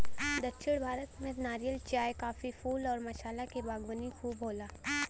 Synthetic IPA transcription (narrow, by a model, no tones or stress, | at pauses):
d̪ɐtːʃʰɪɽbʱaːɾət̪mẽnaːɾijəlt͡ʃjaːjkaːfifuːlɔːɾmɐʃaːlakebaːɡʋənixuːbɦoːlaː